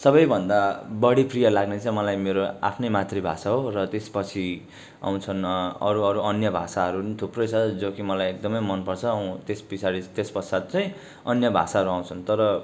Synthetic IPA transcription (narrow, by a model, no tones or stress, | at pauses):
sʌbʌjbʱʌnd̪abʌɽiprijʌlaɡnet͡sʌ̃j̃mʌlajmeɾoa̰pʰnʌjmat̪ribʱa̰saɦorʌt̪espʌt͡sʰi | a̰w̃t͡sʰʌnʌ̰ɾuʌɾuʌnjʌbʱa̰saɦʌɾunit̪ʰuprʌjt͡sʰʌd͡zokimʌlajek̚d̪ʌmʌjmʌnpʌrt͡sʰʌ̃t̪esbisaɾit̪espʌrsad̪̚t͡sʌj̃ | ʌnjʌbʱa̰saɦʌɾuaw̃t͡sʰʌnt̪ʌɾʌ